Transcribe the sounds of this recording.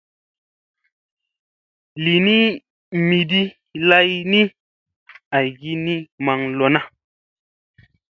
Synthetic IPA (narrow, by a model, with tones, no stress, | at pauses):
li˨ni˦ | mi˨di˦ | la˦jni˦ | a˨jɡi˦ni˦ma˧ŋlo˨na˦